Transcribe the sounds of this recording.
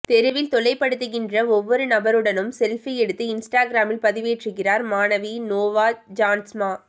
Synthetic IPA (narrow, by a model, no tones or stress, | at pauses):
t̪ɛɾɯʋɪlt̪ɔɭɐɪpːɐɽɯt̪ːɯɣɪndrɐɔʋːɔɾɯnɐbɐɾɯɽɐnɯmsɛlfiɛɽɯt̪ːɯɪnsʈaːɡɪɾaːmɪlpɐðɪʋeːʈrɯɣɪraːɾmaːnɐʋinoːʋaːd͡ʒaːnsmaː